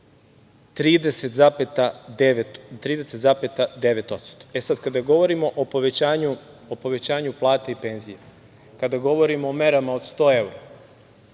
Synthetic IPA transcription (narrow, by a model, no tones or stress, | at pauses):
t̪ɾiːd̪e̞set̪zapet̪ad̪eʋet̪t̪ɾiːd̪e̞set̪zapet̪ad̪eʋe̞t̪o̞t̪st̪o̥e̞sad̪kad̪aɡo̞ʋo̞ɾimo̞ʔopoʋet͡ɕaːɲu | opo̞ʋe̞t͡ɕaːɲuplˠaːt̪eipe̞nzije | kad̪aɡo̞ʋo̞ɾimoome̞ɾamaod̪st̪o̞ːe̞wɾa